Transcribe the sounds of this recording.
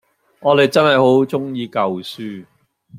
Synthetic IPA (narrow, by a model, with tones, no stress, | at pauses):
ŋɔː˨˧t̪e˨jt͡sɐ˥nɦɐ˨jho˨˥wt͡sʊ˥ŋjiː˧kɐ˨wsyː˥